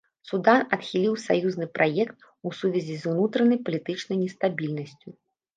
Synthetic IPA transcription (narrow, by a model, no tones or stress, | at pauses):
sud̪anɐt̪xʲilʲiwsa̰juznɨpɾʔajɛkt̪̚ | usuvʲɛzʲizunut̪ɾɐnɐjpɐlʲit̪ɨt͡ʂnɐjnʲɛst̪abʲilʲnɐsʲt͡sʲu